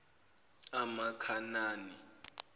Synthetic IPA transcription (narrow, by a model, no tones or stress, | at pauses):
amakʰanaːni